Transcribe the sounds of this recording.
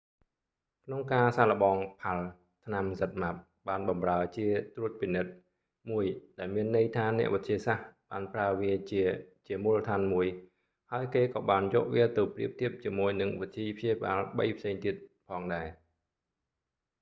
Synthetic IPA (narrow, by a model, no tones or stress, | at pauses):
kʰnoŋkaːsaːlə̆ɓɑːŋpʰal | t̪ʰnamsət̪̚map̚ | ɓaːnɓɑmraət͡ɕiət̪ruət̪̚pinɨt̪̚ | muəjɗaɛlmiənːɨjt̪ʰaːnɛ̆əʔʋət̪ʰiəsahɓaːnpraəʋiəit͡ɕiəmulːət̪ʰaːnmuəj | haəjkeːkɑːɓaːnjɔ̰ːʔʋiət̪ɨwpriəp̚t̪ʰiəp̚t͡ɕiəmuəjnɨŋʋit̪ʰːiːpʰjiəɓaːlɓə̰jpʰseːŋt̪iət̪̚pʰɑːŋɗaɛ